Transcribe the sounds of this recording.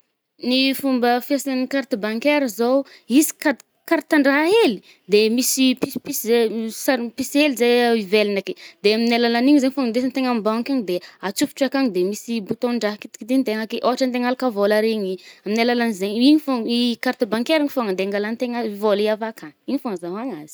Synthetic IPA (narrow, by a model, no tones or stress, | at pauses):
nifumbəfesanənikaɾt̪əbaŋkeɾəzowizi̥kad̪ | kaɾt̪aɳɖ͡ʐaɦaeli̥ | d̪emisipispiszesaɾpiselizajivelinaked̪̥eaminalalaniɲizeɲifaŋand̪esant̪eŋambawkaɲid̪eat͡supi̥ʈ͡ʂakaŋid̪emisibut̪oɳɖ͡ʐaɦkit̪i̥kit̪int̪eŋakeʔoɦaʈ͡ʂant̪eŋalakavolaɾeɲiaminalalanizeɲiɲifoikaɾt̪əbaŋkeɾiŋifaŋand̪eŋɡalant̪eŋazvoliavakaniɲifaŋəzaɦaŋaz̥